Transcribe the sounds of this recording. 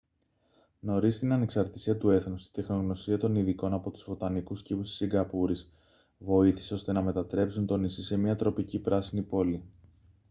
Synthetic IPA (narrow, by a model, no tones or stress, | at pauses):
no̞ɾist̪inɐne̞ksɐɾt̪isiɐt̪ue̞θnust̪i̥d̪e̞xno̞ɣno̞siɐt̪o̞niðiko̞nɐpo̞t̪u̥zvo̞t̪ɐnikuscipusi̥siŋɡɐpuɾis | vo̞iθi̥seo̞st̪e̞nɐme̞t̪ɐt̪ɾe̞psunt̪o̞nisise̞mɲɐt̪ɾo̞picipɾɐsinipo̞li